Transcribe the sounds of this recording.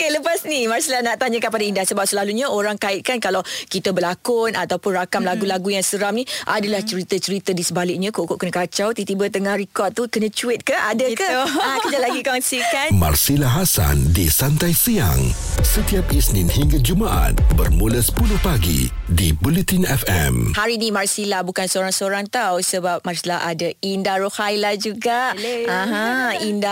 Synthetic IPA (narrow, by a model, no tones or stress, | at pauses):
keləpasnimarsilanaʔt̪aɲakanpadaindahsəbap̚səlaluɲaoɾaŋkaɪt̪̚kankalawkit̪əbəlakʊnat̪awpʊnrakamlaɡulaɡujaŋsəɾamnĩʔadalaht͡ʃəɾit̪ət͡ʃəɾit̪ədisəbalɪk̚ɲãkoʔkoʔkənkat͡ʃawt̪it̪ibət̪əŋahrikɔt̪̚t̪ukənə̃t͡ʃuɪt̪̚kənʔadəkakəd͡ʒalaɡikɔnsikanma̰rsilaɦasa̰ndisant̪ajsija̰ŋsət̪iap̚isnĩnhiŋɡad͡ʒumaʔa̰t̪̚bərmulasə̥puluhpaɡḭdibulɛt̪inɛfɛ̰mhaɾinĩmarsilabukansəoɾaŋsəoɾaŋt̪awsəbap̚marsilaadaindaɾohajlahd͡ʒuɡaʔãɦãinda